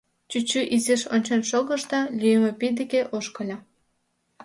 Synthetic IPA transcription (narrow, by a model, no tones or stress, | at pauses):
t͡ɕut͡ɕːyʔiziʃonʲt͡ɕenʃoɣə̆ʃt̪ɑlʲyjemepid̪ekeʔoʃkɤlʲɑ